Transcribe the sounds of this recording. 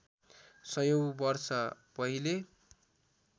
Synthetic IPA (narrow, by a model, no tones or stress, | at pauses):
sʌjowbʌrsʌ | pʌɦile